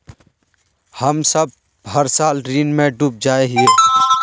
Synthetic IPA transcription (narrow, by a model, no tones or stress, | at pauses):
həmsəb̚ | ɦəɾsaːlɾiːnmẽɖuːp̚d͡ʒaːeɦie